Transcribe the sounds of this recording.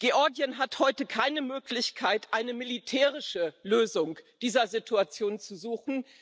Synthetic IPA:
ɡ̥eʔɔɐɡjənɦathɔʏtəkʰaɪnəmøːklɪçkʰaɪtʔaɪnəmilitʰɛːʁɪʃəløːzʊŋd̥iːzɐzitʰuat͡sjoːnt͡suzuːxn̩

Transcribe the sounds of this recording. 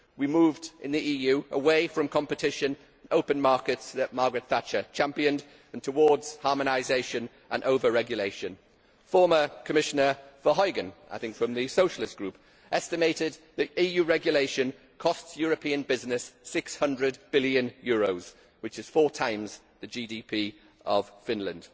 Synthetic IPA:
wimuːvdʔɪ̰̃nðiʔiːjʉʔəweɪfɹə̃mkʰɒ̃mpɨtʰɪʃə̃ñ | noʊpə̃nmɑɹkɪtsðəʔ̚mɑːɡɹɨt̪̚θat͡ʃət͡ʃʰãmpiə̃n | ə̃ntʰəwɔːdz̥hɑːməñaɪzeɪʃə̃n | ʔə̰̃nʔoʊvəɹɛɡjəleɪʃə̃n | fɔːməkʰəmɪʃənə˞fəɦɔɪɡə̃nʔaɪθɪ̃ŋkfɹə̃mðɨsoʊʃəlɪstɡ̥ɹʉp | ʔɛstɪmeɪtɪd̪̚ðiiːjʉːɹɛɡjəleɪʃə̃n | kʰɒstsjɔːɹəpʰĩːə̃nbɪznɪsːɪkshʌ̃ndɹəd̚bɪljə̃njɔːɹoʊz̥ | wɨt͡ʃɪz̥fɔːtʰãɪ̃mz̥ | ðɨd͡ʒiːdipʰiː | ʔəv̥fɪ̃nlə̃nd̥

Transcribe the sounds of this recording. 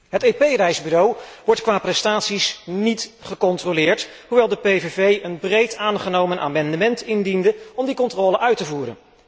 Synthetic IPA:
ɦətejpejrɛjzbyrowʋɔɹtkʋaːprɛstaːtsisnitχəkɔntrolɪːɹt | ɦuʋɛlˠdəpejvevejʔənbrejtaːnχənowmənʔa̰ːmɑndəmɛntɪndindəɔmdikɔntrɔːləʔœɥtəvuːɾə̰n

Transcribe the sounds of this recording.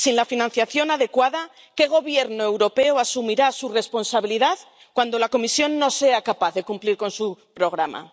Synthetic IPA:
sinlafinãnθjaθjo̞naðe̞kwaða | ke̞ɣ̞o̞βje̞ɾnoe̞wɾo̞pe̞oasumiɾasure̞spo̞nsaβ̞iliðað | kwand̪o̞lako̞misjo̞nːo̞se̞akapaθðe̞kumpliɾko̞nsupɾo̞ɣ̞ɾama̰

